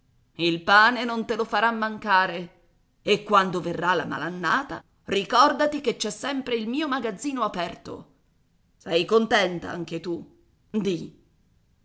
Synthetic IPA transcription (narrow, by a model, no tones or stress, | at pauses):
ilpaːnenont̪elofaɾamːaŋkaːɾe | ekːwand̪overːala̰ma̰lanːaːt̪a̰ | rikɔrd̪at̪ik̟et͡ʃːɛsːɛmpɾeilmiːomaɡad̪zːiːnoapɛrt̪o̰ | sɛjkont̪ɛnt̪a̰aŋk̟et̪u | d̪i